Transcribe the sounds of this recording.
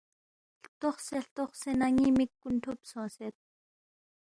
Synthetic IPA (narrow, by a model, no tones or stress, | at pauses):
ɬt̪ʊχsɛɬt̪ɔχsɛnaŋimikːunt̪ʰupsɔ̃ːsɛt̪̚